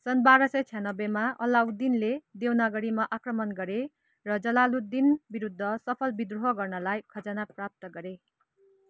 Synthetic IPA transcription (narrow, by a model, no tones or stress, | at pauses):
sʌnbaɾʌsʌt͡sʰjanʌbemaʔʌlawd̪inled̪ewnaɡʌɾimaʔakrʌmʌnɡʌɾe | rʌd͡zʌlalud̪inbiɾud̪ʱːʌsʌpʰʌlbid̪ruɦʌɡʌrnʌlajkʰʌd͡zanaprap̚t̪ʌɡʌɾe